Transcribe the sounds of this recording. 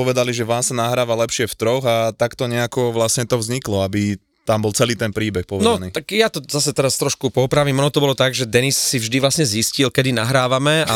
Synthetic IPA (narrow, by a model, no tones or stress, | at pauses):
ɔʋɛd̪aliʒɛʋaːmsanaɦɾaːʋalɛpʃɪɛft̪ɾɔɣat̪akt̪ɔɲɛakɔʋlasɲɛt̪ɔvzɲiklɔabi | t̪ambɔlt͡sɛliːt̪ɛnpɾiːbɛxpɔʋnɔnit̪akjat̪ɔzasɛt̪ɛɾast̪ɾɔʃkupɔpɾaʋimɔnɔt̪ɔbɔlɔt̪aɡʒɛd̪ɛnisːivʒd̪iʋlasɲɛziscilkɛd̪inaɦɾaːʋamɛa